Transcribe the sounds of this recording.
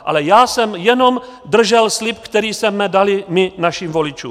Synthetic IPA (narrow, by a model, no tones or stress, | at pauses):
ʔa̰lɛjaːsɛmjɛno̞m | d̪r̩ʒɛlslɪp̚kt̪ɛɾiːsɛmɛdalɪmɪnaʃiːmvo̞lɪt͡ʃṵːm